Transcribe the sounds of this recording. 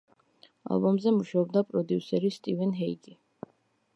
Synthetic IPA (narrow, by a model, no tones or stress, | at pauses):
a̰lˠbɔmzɛmuʃaɔb̚d̪apʼɾɔd̪iusɛɾist̪ʼivɛnɦɛiɡi